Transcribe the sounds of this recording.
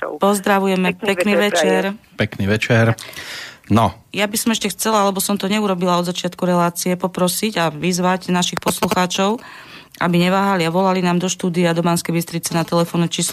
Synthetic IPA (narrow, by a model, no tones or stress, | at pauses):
pɔzd̪ɾaʋujɛmɛpɛniːʋɛt͡ʃɛɾpɛkniːʋɛt͡ʃɛɾ | nɔjabisɔmɛʃcɛxt͡sɛlaalɛbɔsɔmt̪ɔɲɛuɾɔbilaɔd̪zat͡ʃɪat̪kuɾɛlaːt͡siɛpɔpɾɔsiɟaʋizʋaɟnaʃixpɔsluxaːt͡ʃɔʊ | ʔa̰biɲɛʋaːɦaliaʋɔlalinaːmd̪ɔʃt̪uːd̪iad̪ɔmanskɛjbist̪ɾit͡sɛnat̪ɛlɛfɔnɔt͡ʃiːs